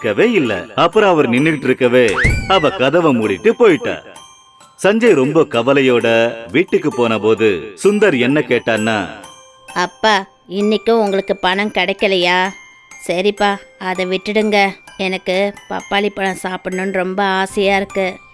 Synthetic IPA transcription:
kːɐʋeːɪlːɐ̰ɐpːɯɾɔ̃ɐʋɐɾnɪnːɯkɪʈːɪɾɯkːɐʋeːɐʋɐkɐðɐʋɐmʊɽɪʈːɯpoːjɪʈːa̰ː | sɐɲd͡ʒɐɪɾɔmbɐkɐʋɐlɐjoːɽɐʋiːʈːɯkːɯpoːnɐpoːðɯ̰sʊnd̪ɐɾɛnːɐkeːʈːaːnːa̰ː | ɐpːaː | ɪnːɪkːʊ̃ʊŋɡɐɭɯkːɯpɐɳɐ̃mkɛɽɐɪkːɐlɐjaː | sɐɾipaːɐðɐʋɪʈːɯɽɯŋɡɐɛnɐkːɯpɐ̰pːaːɭɪpːɐɳɐ̃saːpɽnɯnɾɔmbɐaːsɪjaːɪɾɯkːɯ

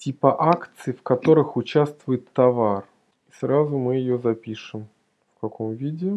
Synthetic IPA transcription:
tʲipəʔakt̪sɨɪfkɐt̪o̞ɾɨxʊt͡ɕast̪vʊjɪt̪ːɐvar | isɾazʊmɨjɪjozɐpʲiʂɨm | fkɐkomvʲidʲɪ

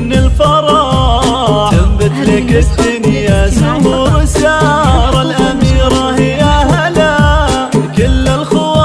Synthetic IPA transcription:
nɪlfɑɾˤɑ | ambɪt̪lɪkɪd̪ːʊnjasʊhuːɾˤsaɾˤɑlʔamiːɾɑhɪjahala | kɪlːɪlxʊwa

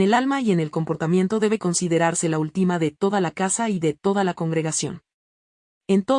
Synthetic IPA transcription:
elalmaie̞ne̞lko̞mpo̞ɾt̪amje̞nt̪o̞ðe̞βe̞ko̞nsiðe̞ɾaɾse̞lault̪imaðe̞t̪o̞ðalakasaiðe̞t̪o̞ðalako̞ŋɡɾe̞ɣasjo̞̰n | e̞nt̪o̞

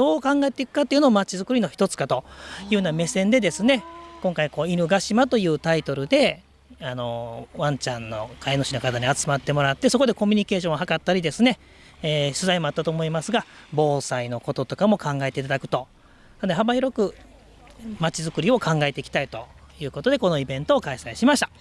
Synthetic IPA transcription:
d̪̥o̞ːkãŋɡaet̪e̞ikɯ̟kat̪ːeiɯ̟nomat͡ɕizɨkɯ̟ɾʲino̞çi̥t̪o̞t͡sɨ̥kat̪o̞jɯ̟ːɯname̞sẽ̞nd̪e̞d̪e̞sɨne̞kõ̞ŋkaiko̞ːiɾɯ̟ɡaɕimat̪o̞jɯ̟ːt̪ait̪o̞ɾɯ̟d̪e̞ | ano̞βãɲ̟t͡ɕãnːo̞̰kaeno̞ɕino̞kat̪aɲ̟iat͡sɨmat̪ːe̞mo̞ɾat̪ːe̞so̞ko̞d̪e̞ko̞mʲiɲ̟ike̞ːɕ̬õɦhakat̪ːaɾʲid̪e̞sɨne̞ː | ɕɨzaimo̞at̪ːat̪o̞ːmo̞imasɨɡabo̞ːsaino̞ko̞t̪o̞t̪o̞kamo̞kãŋɡaet̪e̞it̪ad̪akɯ̟̥t̪o̞ | ad̪ɦabaiɾo̞kɯ̟ | mat͡ɕizɨkɯ̟ɾʲio̞kʰãŋɡae̞t̪e̞ikʲi̥t̪ait̪o̞jɯ̟ːko̞t̪o̞d̪e̞ko̞no̞ibẽ̞nt̪o̞ːkaisaiɕimaɕit̪ḁ

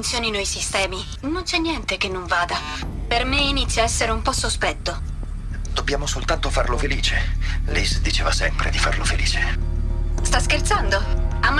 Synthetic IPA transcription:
nt̪sjɔːninɔjsist̪ɛːmi | nont͡ʃɛnːjɛnt̪ekenːoɱvaːd̪a | permeinit̪sːjaɛsːeɾeumpɔsːospɛt̪ːo | d̪objaːmosolt̪ant̪ofarlofeliːt͡ʃelḭsd̪it͡ʃeːvasɛmpɾḛd̪ifa̰rlofelḭːt͡ʃe | st̪askert̪sand̪oamː

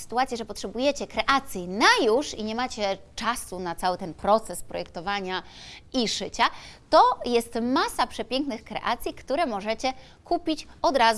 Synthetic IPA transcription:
sɘ̥t̪uat̪sʲjɛʐɛpɔtʂɛbujɛt͡ɕɛkɾɛʔat̪sʲjinajuʂiɲɛmat͡ɕɛt͡ʂasunat̪sawɘt̪ɛnpɾɔt̪sɛspɾɔjɛkt̪ɔvaɲaiʂɘt͡ɕat̪ɔjɛst̪masapʂɛpʲjɛŋknɘxkɾɛ̰ʔa̰t̪sʲjikt̪uɾɛmɔʐɛt͡ɕɛ | kupʲit͡ɕɔd̪ɾaz

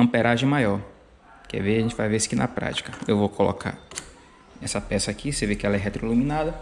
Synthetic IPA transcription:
ɐ̃peɾaʒẽj̃majɔɾ | kɛ̰veaʒẽt͡ʃɪvajvesɪ̥kɪnɐ̰pɾa̰t͡ʃi̥kɐewvokolo̰kʰa̰ɾ | ɛsɐpɛsɐakʰisevekɪɛlɐɛɦet̪ɾoilumĩnad̪ɐ

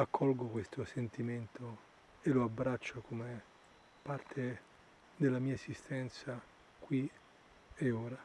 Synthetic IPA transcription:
akʰːɔlɡokwest̪osent̪iment̪ʰo | eloabːɾat͡ʃːakʰome | part̪ʰe | d̪elːamiːaesist̪ɛnt̪sa | kwi | eoːɾa

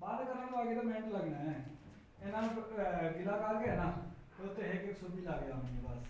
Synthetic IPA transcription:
baːd̪kəɾaːnõaːɡeːd̪aːmɛ̃ːɳʈləɡnaːɦɛː | eːnãːɡɪlaːkaɾɡeɛnãːt̪eʊt̪ʰːeːɦekɪksʊbiːlaːɡeaːmɪ̃eːpa̰ːs

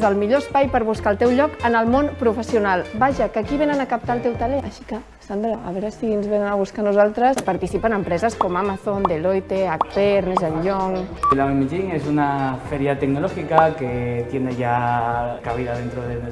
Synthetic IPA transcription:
zəlˠmiʎoəspajpəɾβuskaəlˠt̪ɛwʎɔkənəlˠmonpɾufəsiunalˠbaʒakakiβenənakap̚t̪aəlˠt̪ɛwt̪aleəʃi̥kə | sand̪ɾaaβɛɾasinzβenənaβ̞uskanuzalˠt̪ɾəspaɾt̪isipənəmpɾɛzəskomamaθond̪elojt̪eak̚peɾnezəʎʎɔŋilamemiʒiŋesunafeɾjat̪eɡnolɔxikaket̪jeneʝakaβ̞iðaðent̪ɾoðen

